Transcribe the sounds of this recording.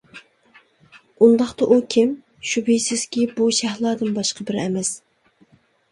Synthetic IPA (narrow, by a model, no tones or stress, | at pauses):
und̪ɑχt̪ɑʔukʲʰim | ʃubijsɪz̥kʲibuʃæhlˠɑːd̪ɨnbɑʃqʰɑbɪɾɛ̰mɛs